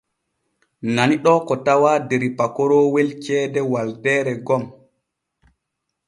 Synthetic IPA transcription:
naniɗɔkɔtawadeɾipakɔɾɔwelt͡ʃɛːdɛwaldɛːɾɛɡɔm

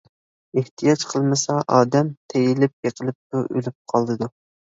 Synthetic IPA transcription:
eht̪ʰijɑt͡ʃqʰəlˠmɪsɑʔɑːd̪ɛmt̪ʰejɪlɪp̚jeqʰəlˠɨp̚t̪ʊʔø̰lyp̚qʰɑlˠd̪ɨd̪u

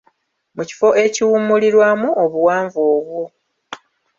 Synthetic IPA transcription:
muci̥fo̞ʔe̞ciwumuliɾwamuoβuwaːɱvoːβwo

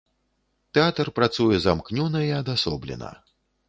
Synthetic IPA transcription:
t̪ɛat̪ɐrpɾat̪sujɛzamknʲunɐiɐd̪asɔ̰blʲɛ̰nɐ̰

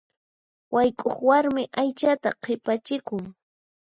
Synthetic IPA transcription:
wʔajkʼoχwaɾmɪʔajt͡ʃat̪aqʰɪpat͡ʃɪkʊŋ

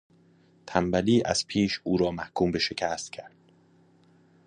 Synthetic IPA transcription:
t̪ʰæmbæliːʔæ̰z̥pʰiːʃuːɾɒːmæhkʰuːmbe̞ʃe̞cʰæst̪̚cʰæɾd̪̥

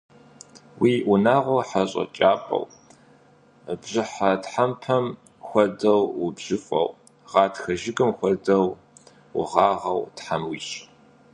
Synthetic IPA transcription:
wiːʔʊnaːʁʷoħaɕʼɐ̰t͡ʃʼaːpʼɐ̰w | bʑɪħatħampʰɐm | xʷɔdɐwwʊbʑ̥ɪfʷʼɐ̰w | ʁɑːtxɐʒɪɡɨmxʷɔdɐw | wʊ̰ʁɑːʁɐwtħamwiːɕʼ

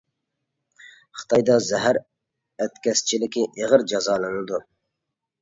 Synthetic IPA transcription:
χɨ̥t̪ʰɑjd̪ɑzɛɦæɾ | æt̪kʲɛst͡ʃʰilɪkʲʰiʔeʁəɾd͡ʒɑzɑːlˠɨnɨd̪u

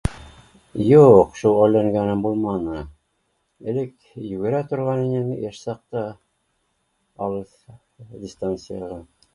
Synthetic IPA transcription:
juqʃulˠæjlːæŋɡænɘmbulˠmɑnɤ | ɘ̆lɘk | jʉɡɘ̆ɾæt̪ŏɾʁɑninɘnjæʃsɑq̚t̪ɑ | ɑwɤð | dʲist̪ant̪sɨjɑʁɑ

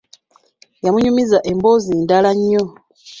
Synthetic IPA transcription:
jamuɲumizaʔembo̞ziːndalaɲːo

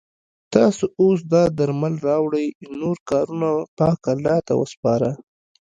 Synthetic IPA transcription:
t̪ɑsoos̬d̪ɑd̪aɾmalɾɑwɽəjnoɾkɑɾunapɑkalɑt̪a̰wə̰spɑɾa

